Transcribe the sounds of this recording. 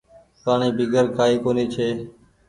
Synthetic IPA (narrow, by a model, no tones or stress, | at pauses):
paːɳiːbiːɡəɾkaːiːkoːniːt͡ʃʰeː